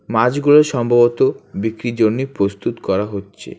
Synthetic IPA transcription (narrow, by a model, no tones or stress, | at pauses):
mad͡ʑɡuloɾʃɔmbʱabot̪obikɾid͡ʑonːipɾost̪ut̪kɔɾaɦotːɕʰḛ